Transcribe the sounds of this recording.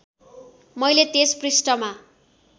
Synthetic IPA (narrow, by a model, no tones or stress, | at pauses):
mʌjlet̪esprisʈʌma